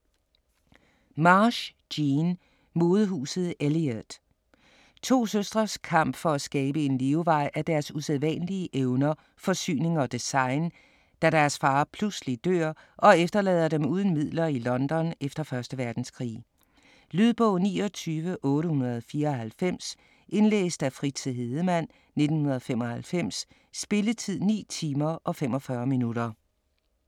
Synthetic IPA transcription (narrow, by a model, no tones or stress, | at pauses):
mɑːɕ | d̥iːn | mo̝ːð̞ˠəɦṵːsð̞̩ˠeliæd̥ | t͡sʰo̝̰ːsøsd̥ʁɐskʰɑ̈m̰b̥fɒ̽æsɡ̥ɛːb̥əe̝nliʊʋɑ̈ɪ̰ʔæɐd̥æɐsuseðˠʋɛ̰nəliəʔeʊnɐ | fɒ̽sy̰ːne̝ŋɒ̽d̥esɑ̈ɪn | d̥æɾ̥æɐsfɑ̈ːpʰluslid̥ø̰ːɐʔɒ̽efd̥ɐlɛːð̞ˠɐɾ̥emuːð̞ˠən̩mið̞̰ˠlɐilɒ̽nd̥ɒ̽nefd̥ɐfɶɐsd̥əʋæɐd̥n̩skʰʁḭː | lyð̞ˠb̥ɔʊnḭːɒ̽t͡sʰyːʋəʔɔ̽ːɾəhunɐð̞ˠfiːɐɒ̽ɦælfem̰s | ʔe̝nlḛːsd̥æfʁit͡sʰiɦe̝ð̩ˠəmæn̰ | ne̝d̥n̩hunɐð̞̩ˠfem̰ɒ̽hælfem̰sː | b̥e̝lət͡sʰið̰ˠnḭːt͡sʰiːmɐʔɒ̽femɒ̽fɶɐminuɾɐ